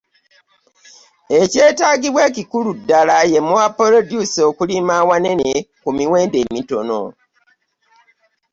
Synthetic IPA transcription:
e̞ce̞ːtaːɡiβwe̞ːcikuludːalaje̞muwapolodjusokulimaːwane̞nekumiwe̞ːnde̞ːmito̞̰no̞̰

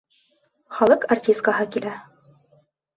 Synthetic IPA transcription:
χɑlˠɤqartʲist̪kaɦɤkilæ

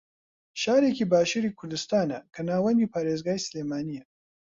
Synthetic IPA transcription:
ʃaːɾeːkiːbaːʃuːɾiːkʰʊɾd̪ɨst̪aːnɐkʰɐnaːwɐnd̪iːpʰaːɾeːzɡaːjsɨleːmaːnijɐ

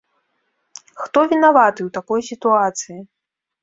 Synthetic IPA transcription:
xt̪ɔvʲinavat̪ɨwt̪akɔjsʲit̪uat̪sɨji

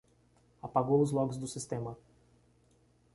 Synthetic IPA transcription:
apaɡoʊzlˠɔɡzd̪ʊsʲɪst̪ɛmɐ

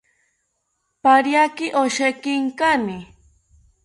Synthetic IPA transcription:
paɾjakɪʔoʃekɪŋkanɪ

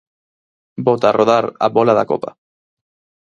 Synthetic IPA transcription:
bot̪arʔoðaɾa̰βolaðako̰pa

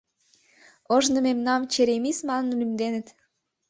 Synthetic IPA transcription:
əʒnɤ̆memnɑmt͡ɕeɾemismɑnə̆nlymd̪enə̆t̪

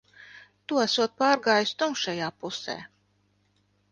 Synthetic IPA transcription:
t̪uæsuɔt̪̚paːɾɡaːjust̪umʃajaːpusɛ̰ː

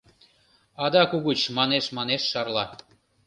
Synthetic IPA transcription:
ɑd̪ɑkuɣut͡ɕmɑneʃmɑneʃːɑrlɑ

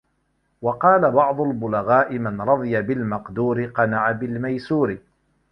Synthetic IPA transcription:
wɑqɑːlabɑʕd̪ˤʊlbʊlaɣaːʔɪmanɾˤɑd̪ˤɨjabɪlmɑqd̪uːɾɪqɑnaʕabɪlmajsuːɾɪ

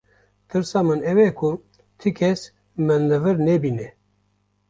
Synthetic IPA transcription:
t̪ʰɨɾsɑːmɨnɛwɛkʰʊ | t̪ʰɨkʰɛs | mɨnlɨvɨɾnɛbiːnɛ

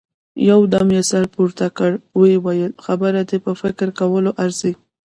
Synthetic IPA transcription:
jawd̪amjesaɾpuɾt̪akəɽwewajəlxabəɾad̪epəfɪkɾkawəloʔaɾzi

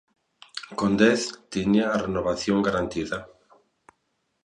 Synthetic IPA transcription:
kond̪ɛθt̪iɲaːrenoβaθjoŋɡaɾant̪iða

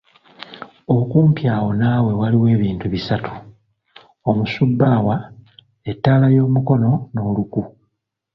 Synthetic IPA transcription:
o̞kuːmpjaːwo̞naːwe̞waliwe̞ːβiːntuβisatʰu̥ | o̞musubːaːwa | e̞tːaːlajo̞ːmuko̞no̞no̞ːluku

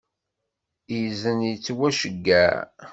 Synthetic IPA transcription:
jzənjət͡sːwæʃəɡːæ

